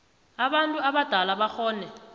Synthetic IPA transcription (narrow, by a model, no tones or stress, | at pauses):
aɓantʼuaɓad̥ʱalaɓaxɔːnɛ